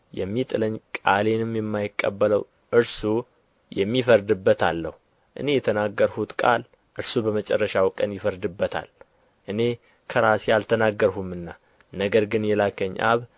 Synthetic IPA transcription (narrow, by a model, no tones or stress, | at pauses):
jɛ̰mːit̪ʼɨləɲːkʼale̞nɨmjɛmːajɪkʼːə̰bːələw | ʔɨɾsu | jɛmːifəɾd̪ɨbːət̪ʰalːəhu | ʔɨ̰ne̞jɛt̪ʰənaɡːəɾhut̪kʼa̰l | ʔɨɾsubəmət͡ʃʼɛrːəʃawkʼənjɪfəɾd̪ɨbːət̪ʰa̰l | ʔɨne̞ | kʰəɾasjalt̪ʰənaɡːəɾhumɨnːa | nəɡəɾɡɨnjɛlakʰəɲːʔa̰β